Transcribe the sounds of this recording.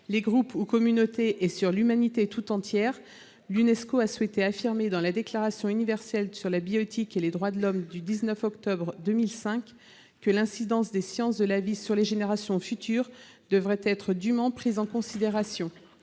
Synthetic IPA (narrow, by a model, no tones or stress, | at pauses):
leɡʁupukɔmynot̪eʔːsyʁlymanit̪et̪ut̪ɑ̃t̪jɛʁ | lynɛskoaswɛt̪eafiʁmed̪ɑ̃lad̪eklaʁasjɔ̃ynivɛʁsɛlsyʁlabiɔt̪ikeled̪ʁwad̪əlɔmd̪yd̪iznœfɔkt̪ɔbʁd̪əmilsɛ̃k | kːəlɛ̃sid̪ɑ̃sd̪esjɑ̃sd̪əlavisyʁleʒeneʁasjɔ̃fyt̪ʰyːʁd̪əvʁɛt̪ɛt̪χəd̪ymɑ̃pχizɑ̃kɔ̃sid̪eʁasjɔ̃